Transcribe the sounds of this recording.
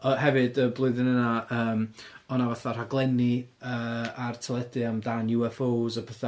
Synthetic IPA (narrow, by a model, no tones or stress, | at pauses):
əhɛvɨdəblˠʊɨðɨnənaʔəːm | ɔnavaθar̥aɡlˠɛniəːartʰɛlˠɛdɨamdanjuɛfozɔpʰɛθa